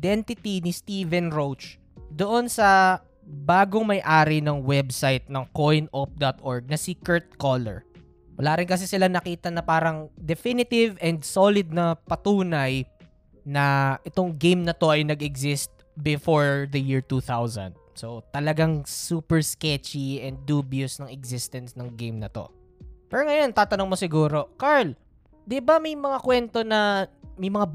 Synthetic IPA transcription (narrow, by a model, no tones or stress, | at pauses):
d̪ɛnt̪ɪt̪inist̪iːvɛnɹot͡ʃ | d̪oʔo̞nsɐ | baːɡoŋmɐjʔaːɾɪnɐŋwɛbsajt̪̚nɐŋkojnʔop̚d̪ɐt̪ʔoɹɡ̚nɐsikɛɹt̪̚kolɛ̰ɹ | wɐlaːɾɪnkɐs̬ɛsɪlanɐkiːt̪ɐnɐpaːɾɐŋd̪ɛfinɪt̪ɪvʔɛnd̪solɪd̪̚nɐpɐt̪uːnɐj | nɐʔɛt̪o̞ŋɡejmnɐt̪o̞ʔɐjnɐɡɛɡsɪst̪̚bɪfoɹd̪ɐjɪɹt̪uːθawzɐ̰nd̪̚sot̪ɐlɐɡaŋsuːpɛɹskɛt͡ʃiɛnd̪̚ːuːbjusnɐŋɛɡzɪst̪ɛnsnɐŋɡejmnɐt̪o̞̰ | pɛːɾoŋɐjont̪aːt̪ɐnoŋmosɪɡuːɾo̞kaɹl | d̪ɪbamɐjmɐŋakwɛnt̪o̞nɐmɐjmɐŋa